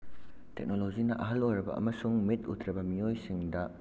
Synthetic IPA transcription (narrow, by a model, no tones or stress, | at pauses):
tek̚nolozinɐʔɐɦɐlojɾɐbɐ̰ʔɐ̰mɐsuŋmitṵtʰɾɐbɐmijojsiŋdɐ